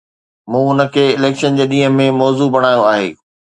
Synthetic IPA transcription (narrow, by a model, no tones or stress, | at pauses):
mũːʊnə̆kʰeːɪleːkʃənd͡ʑeːɗiːɦə̃mẽmɔːzubɐɽ̃aːjoaːɦḛː